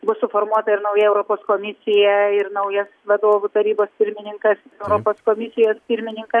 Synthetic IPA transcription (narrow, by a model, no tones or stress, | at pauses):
bʊsʊfoːɾmuɔt̪ɐɪɾnɐʊjɛɛʊɾoːpoːskoːmʲɪsʲɪjɛɪɾnɐʊjɐsʋɐd̪oːʋʊt̪ɐɾʲiːboːspʲɪɾʲmʲɪnʲɪŋkɐsɪɛʊɾoːpoːskoːmʲɪsʲɪjoːspʲɪɾʲmʲɪnʲɪŋkɐ